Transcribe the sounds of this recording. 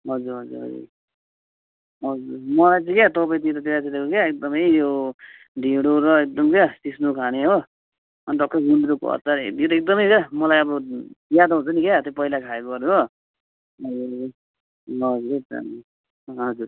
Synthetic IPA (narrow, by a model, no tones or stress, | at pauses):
ɦʌd͡zuɾɦʌd͡zṵɾɦʌ̰d͡zṵɾ | ɦʌd͡zuɾmʌlajt͡sʰʌ̃kjat̪ʌbait̪ot̪ʌt̪eɾasid̪ekokaek̚d̪ʌmʌjto | ɖʱiɽoɾʌek̚d̪ʌmkjasisnukʰaneɦo | ʌnɖʌkʈʌɡund̪ɾoko̰ʌ̰t̪ʌɾjot̪ʌek̚d̪ʌmʌjkamʌlajʌbʌjad̪ɦũt͡sʌnikat̪jopʌilakʰaekoʌɾuɦo | ʌ | ʌd͡zuɾeta̰n | ɦʌd͡zuɾ